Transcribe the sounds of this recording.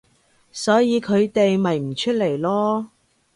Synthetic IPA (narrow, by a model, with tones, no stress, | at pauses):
sɔː˨˥jiː˨˧kʰɵ˨˧ɥt̪e˨jmɐ˨jm̩˨˩t͡ʃʰɵ˥t̚le˨˩jlɔː˥